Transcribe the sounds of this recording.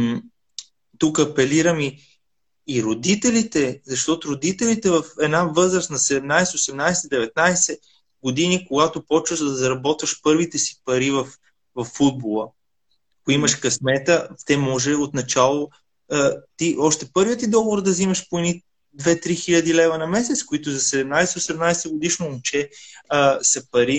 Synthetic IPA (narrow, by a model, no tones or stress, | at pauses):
t̪ukɐpɛliɾəmiː | ɾod̪it̪ɛlit̪ɛzɐʃt̪ɔt̪ʊɾod̪it̪ɛlit̪ɛvɐfɛd̪navɤzɾəsnɐsɛd̪ɛmnajsɛosɛmnajsɛd̪ɛvɛt̪̚najsɛ | ɡod̪inikoɡat̪opɔt͡ʃvəzd̪ɐzɐɾɐbɔt̪vɐʃpɤɾvit̪ɛsi̥pɐɾivɐf | vɐfːud̪̚bolˠə | ɐkʊimɐʃkɐsmɛt̪ət̪ɛmɔʒɛot̪nɐt͡ʃalˠo | t̪iɔʃt̪ɛpɤɾviət̪id̪ɔɡovoɾd̪ɐzimɐʃpoɛni | d̪vɛt̪ɾixiʎʲɐd̪ilɛvɐnɐmɛs̬ɛt̪skoit̪ʊzɐsɛd̪ɛmnajsɛosɛmnajsɛɡod̪iʃnoːmt͡ʃɛ | sɐpɐɾi